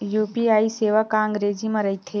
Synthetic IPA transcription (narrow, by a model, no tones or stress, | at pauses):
juːpiaːiseːʋəkãŋɡɾeːd͡ʒimɐ̃ɾɐɦit̪ʰe